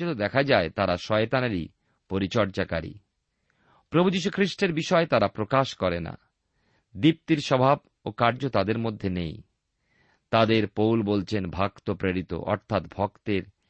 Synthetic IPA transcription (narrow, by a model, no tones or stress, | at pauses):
ot̪od̪ɛkʰad͡ʑaet̪aɾaʃɔet̪anaɾi | poɾit͡ɕɔɾt͡ɕaka̰ɾḭ | pɾobʱud͡ʑiʃ̬ukʰɾiʃʈeɾbiʃɔet̪aɾapɾokaʃkɔɾena̰ | d̪ip̚t̪iɾʃɔbʱab̚ | okaɾd͡ʑot̪ad̪eɾmod̪ʱːenej | t̪ad̪eɾpowlbolt͡ɕʰenbʱakt̪opɾeɾit̪o̰ʔɔ̰ɾt̪ʰat̪bʱɔkt̪eɾ